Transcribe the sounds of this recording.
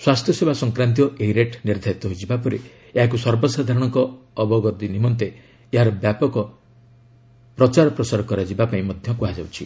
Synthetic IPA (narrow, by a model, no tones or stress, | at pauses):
swast̪ʰjɔsebʱasɔŋkɾant̪̬iɔʔeɦiɾeʈniɾd̪ʱaɾit̪ɔɦoid͡ʒibapɔɾi | eɦak̬usɔɾbɔsad̪ʱaɾɔɽ̃ɔŋkɔːbɔɡɔt̪inimɔnt̪eː | ɦaɾɔbjapɔkɔ | pɾɔt͡ʃaɾɔpɾɔsaɾɔkɔɾad͡ʒibapaĩmɔd̪ʱjɔkuɦad͡ʒawt͡ʃʰi